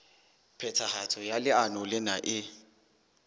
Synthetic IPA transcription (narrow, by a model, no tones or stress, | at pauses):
pʰɛtʰahatʰɔjalɪanɔlɪnaʔɪ